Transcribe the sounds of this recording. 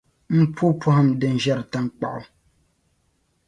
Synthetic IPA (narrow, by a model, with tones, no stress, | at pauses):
m̩˦pu˦pu˦ha˦˨mdɛ˨n̩˨ʒa˦ɾta˦ŋ̩˦k͡pa̰˨ʔʊ˦